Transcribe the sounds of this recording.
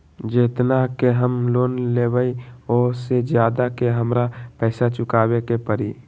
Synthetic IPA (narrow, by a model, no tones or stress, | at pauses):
d͡ʒeːt̪nakeɦəmloːnleːbəiɔːsed͡ʒjaːd̪akeɦəmɾapɛːsat͡ʃʊkaːwekepəɾiː